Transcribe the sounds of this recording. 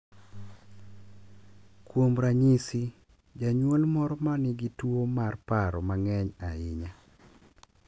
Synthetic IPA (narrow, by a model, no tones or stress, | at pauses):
kwomɾaɲisi | d͡ʒaɲwolmɔɾɔmanɪɡɪtwomarpaɾɔmaŋɛɲaɪɲa